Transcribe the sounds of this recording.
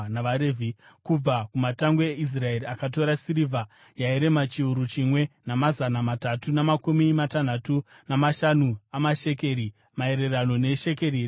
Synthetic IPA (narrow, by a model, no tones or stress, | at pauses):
naʋaɾevʱikub͡vakumataŋɡeeʔis̬rae̞riakat̬o̞ɾasiɾivʱa | jaiɾe̞mat͡ʃiuɾut͡ʃimwe̞namazanamatatunamakumimatan̤atu | namaʃanuamaʃe̞ke̞ɾi | mae̞ɾe̞rano̞ne̞ʃe̞keriːri